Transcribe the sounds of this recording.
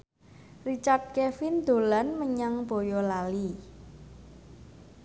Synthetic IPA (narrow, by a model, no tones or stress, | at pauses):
rit͡ʃard̪̚kɛfind̪o̤lanməɲaŋb̥o̤jɔlali